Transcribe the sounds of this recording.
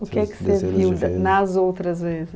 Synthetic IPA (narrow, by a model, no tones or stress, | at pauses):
ukɛkseviwnazowt̪ɾɐzvezɨ